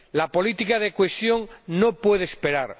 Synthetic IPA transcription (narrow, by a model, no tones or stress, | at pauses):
lapo̞lit̪ikaðekwesjo̞ŋnopwe̞ð̞eːspe̞ɾaɾ